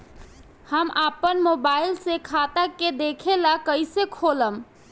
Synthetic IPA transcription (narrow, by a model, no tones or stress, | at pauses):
həmʔapənmobaɪilsekʰat̪aked̪ekʰelakəɪsekʰoləm